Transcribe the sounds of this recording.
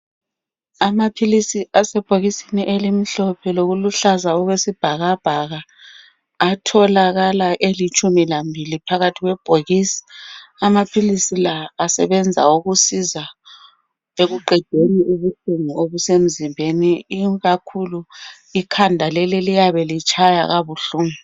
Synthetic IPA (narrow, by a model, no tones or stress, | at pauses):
amapʰilisiasɛb̥ʱoɣisi̥niʔelimiɬɔpʰɛloɣuluɬazaɔɣwesib̥ʱaɣab̥ʱaɣaː | tʰɔlaɣalaʔelit͡ʃʼumilambʱilipʰaɣatʰiɣwɛb̥ʱoɣisi̥amapʰilisilaːsɛ̰βɛnd͡zʱa̰uɣusiza | eɣuǃɛ̥d̥ʱeniʔuβuɬuŋuoβusem̩zimbʱeniːɣakʰulu | ikʰandʱalɛlilijaβɛlit͡ʃʰʼaja̰ɣaβuɬuŋu